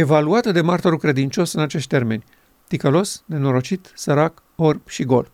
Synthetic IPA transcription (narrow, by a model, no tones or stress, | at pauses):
e̞valuat̪əd̪e̞mart̪oɾukɾe̞d̪int͡ʃo̞sɨnat͡ʃe̞ʃt̪ʲt̪erme̞nʲ | t̪ikəlo̞sne̞no̞ɾo̞t͡ʃit̪səɾak | orbʃiɡo̞̰l